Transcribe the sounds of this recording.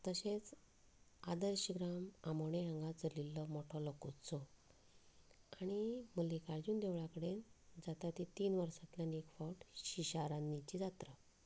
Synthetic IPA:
t̪əɕẽt͡s | ad̪əɾɕəɡɾamamoɳeə̃ŋɡat͡səlilːɔmɔʈʰɔlɔkut͡sɔ | aɽ̃iməlːikaɾd͡ʑuːnd̪eʋɭakəɽend͡zat̪at̪it̪iːnʋəɾsat̪ljanekfɔwʈɕiɕaɾanːit͡ɕid͡zat̪ɾə

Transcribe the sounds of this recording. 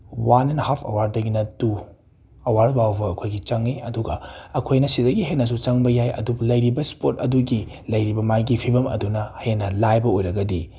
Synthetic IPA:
wanenhapʰɐ̰waɾ̚dɐɡinɐdu | ɐwaɾbawbɐɐkʰojɡit͡ʃɐŋeɐduɡɐɐkʰojnɐsidɐɡiɦenɐs̬ut͡ʃɐŋbɐjajɐ̰dublɐjɾibɐspotɐ̰duɡi | lɐjɾibɐmajɡipʰibɐmɐ̰dunɐhɐenɐlajbɐojɾɐɡɐdi

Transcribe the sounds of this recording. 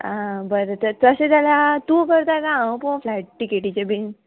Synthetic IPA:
abəɾət̪əɾt̪əɕet̪alat̪ukəɾt̪akaãw̃puflajʈ̚ʈikeʈit͡ɕebin

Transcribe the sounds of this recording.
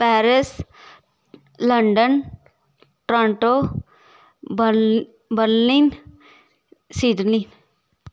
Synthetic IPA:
pɛːɾɪs | ləɳɖən | ʈɾãɳʈo | bə | bəɾlin | siːdlin

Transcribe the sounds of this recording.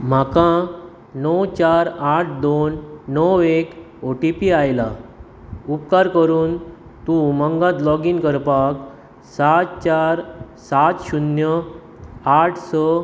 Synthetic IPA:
m̤akã | nəwt͡ɕaɾaʈ̚ʰd̪onːəwek | oʈipiajla | upkaɾkəɾuːn | t̪ũməŋɡãt̪lɔɡinkəɾpak | sat̪t͡ɕaɾ | sat̪ɕunjə | aʈʰsɔ

